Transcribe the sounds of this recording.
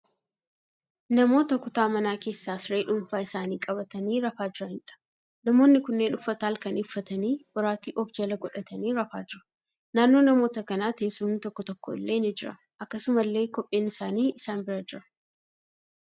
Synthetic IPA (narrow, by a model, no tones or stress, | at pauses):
nɐmo̞ːt̪ɐkʊt̪aːmɐnaːke̞ːsːaːsɾeːᶑʊɱfaːɪsaːniːkʼɐbɐt̪ɐniːɾɐfaːd͡ʒɪɾɐhɪnᶑɐ̥ | nɐmo̞ːnːɪkʊnːe̞ːnʊfːɐt̪aːlkɐnɪfːɐt̪ɐniːb̥ʊɾaːt̪iːʔɔfd͡ʒɐlɐɡɔᶑɐt̪ɐniːɾɐfaːd͡ʒɪɾɐ̥ | naːnːo̞ːnɐmo̞ːt̪ɐkɐnaːt̪eːsʊmːt̪ɔkːɔt̪ɔkːoɪlːe̞ːnɪd͡ʒɪɾɐ̰ | ʔɐkːɐsʊmɐlːe̞ːkɔpʼːe̞ːnɪsaːniːɪsaːnbɪɾad͡ʒɪɾɐ